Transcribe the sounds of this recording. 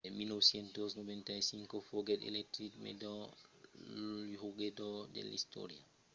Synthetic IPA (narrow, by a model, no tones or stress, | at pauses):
minɔwsjɛntɔsnɔvɛntajsiŋkɔfoɡɛdɛ̰lɛktɾikmɛ̰dɔ | hoɡɛdɔdɛ̰lḭsto̰ɾia̰